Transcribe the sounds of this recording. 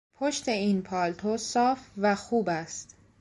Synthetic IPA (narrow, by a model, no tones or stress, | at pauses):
pʰoʃt̪e̞iːnpʰɒːlt̪ʰosɒːfvæxuːbæst̪